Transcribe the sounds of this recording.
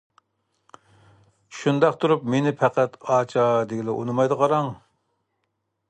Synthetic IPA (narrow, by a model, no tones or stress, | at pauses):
ʃund̪ɑqt̪ʰuɾupmenɪpʰɛqʰæt̪ɑːt͡ʃʰɑd̪eɡʲilɛʔo̰nɨmɑjd̪əʁʰɑɾɑŋ